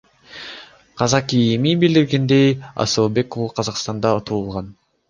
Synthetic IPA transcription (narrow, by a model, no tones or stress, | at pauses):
qʰɑzɑkijmibild̪iɾɡend̪ejɑ̰soːbe̞kovuqʰɑzɑqst̪ɑnd̪ɑot̪ʰuːlˠʁɑn